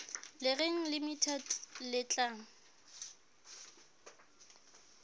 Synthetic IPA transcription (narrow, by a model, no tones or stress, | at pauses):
lɪreŋ̩lɪmitʰɛdlɪt͡ɬʼaːŋ̩